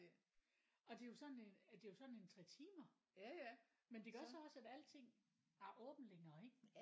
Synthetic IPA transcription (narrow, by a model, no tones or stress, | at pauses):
ɒ̽d̥e̝jo̝sɒ̽d̥nend̥e̝jo̝sɒ̽d̥ne̝nt͡sʰʁɛ̰t͡sʰiːmɐ | mend̥e̝ɡ̥ʰɶɐsɒ̽ɒ̽sæd̥æl̰t͡sʰe̝ŋ̰ | æʔɔ̽ːb̥n̩leŋɐːe̝ɡ̥